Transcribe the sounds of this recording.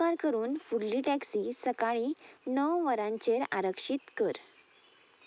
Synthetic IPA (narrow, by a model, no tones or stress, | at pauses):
aɾkəɾuːnfuɽliʈæksisəkaɭinəwʋəɾãɲt͡ɕeɾaɾəkʂit̪kəɾ